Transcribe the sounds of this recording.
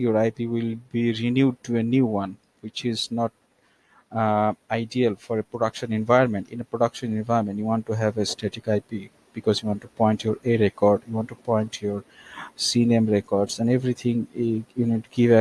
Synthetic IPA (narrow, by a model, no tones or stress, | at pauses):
joɾaɪpiwɪlbiɾinjuɖ̚ʈuenjuːwʌ̃n | wɪt͡ʃɪznɔʈ̚ | aɪɖiəlfɔɾepɾoɖʌkʃə̃nɛ̃nvaɪəɾmẽɳʈɪ̃nepɾoɖʌkʃə̃nɛ̃nvaɪəɾmẽnʈjuwɔ̃nʈuɦævesʈeʈikaɪpi | b̥ikɔzjuwɔ̃ːnʈupɔ̃ɪ̃nʈjoɾeɾekɔɾɖjuwɔ̃nʈːupɔ̃ɪ̃nʈʰjoɾsinẽmɾekɔɾɖsɛ̃nevɾit̪ʰĩŋjuniɖ̚ʈuɡivɛ